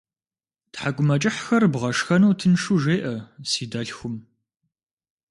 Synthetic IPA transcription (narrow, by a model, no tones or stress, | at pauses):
tħaɡʷʊmɐt͡ʃʼɪħxɐrbʁɐʂxɐnɐwtʰɨnʂuʒeːʔɐsiːdɐɬxʷʊm